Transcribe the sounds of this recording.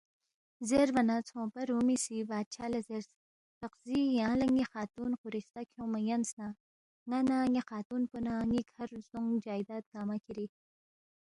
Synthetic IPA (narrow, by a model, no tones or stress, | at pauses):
zeɾvanat͡sʰõːpɐɾumisibaːd̪̚t͡ʃʰaːlazeɾs | t̪aqz̥ijɑ̃lɐŋixɑːt̪unquɾist̪akʰjõːmajansna | ŋanaŋixɑːt̪unpunaŋikhaɾzuŋd͡ʒaːjd̪aːt̪̚ɡ̥aːmakʰiɾi